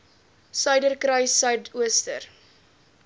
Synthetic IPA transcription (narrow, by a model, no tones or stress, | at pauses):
sœɥdərkrœjsœɥtʰuəstə̰r